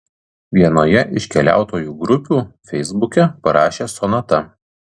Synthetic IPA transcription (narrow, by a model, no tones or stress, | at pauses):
ʋʲiɛnoːjɛʔɪʃʲkʲɛlʲæ̰ˑʊt̪oːjuːɡɾʊpʲuːfʲɛɪzbʊkʲɛpɐɾɑːʃʲeːsoːnɐt̪ɐ